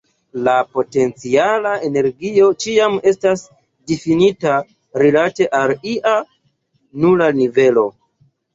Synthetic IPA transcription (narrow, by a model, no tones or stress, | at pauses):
lapo̞te̞nt͡sialae̞ne̞ɾɡio̞t͡ʃiame̞stas | difinita | ɾilate̞ʔaliʔa | nulanive̞lo̞